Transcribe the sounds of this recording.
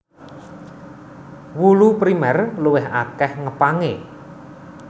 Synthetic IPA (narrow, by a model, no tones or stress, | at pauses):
wulupɾimɛrluwɪɦa̰kɛhŋəpaŋe